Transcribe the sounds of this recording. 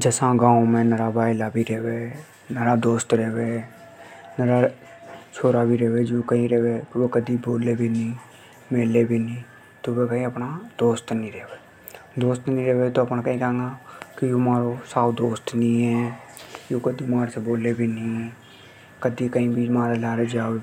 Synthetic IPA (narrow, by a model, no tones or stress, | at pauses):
d͡ʒəsãɡãːõmẽnəɾabaːilabʱiɾɛːʋeː | nəɾad̪oːst̪ɾɛːʋeː | nəɾa | t͡ʃʰoːɾaːbʱiɾɛːʋed͡ʒõːkəɦĩɾɛːʋekʋekəd̪iboːlebʱinĩ | meːlebʱinĩː | t̪obekəĩəpnad̪oːst̪nĩːɾɛːʋeː | d̪oːst̪nĩːɾɛːʋet̪oːəpnakəĩkãːŋɡaːkɪjõːmaːɾosaːwd̪oːst̪nĩːɛː | jõːkəd̪imaːɾseboːleːbʱiːnĩː | kəd̪ikəĩːbʱiːmaːɾelaːɾed͡ʒaːe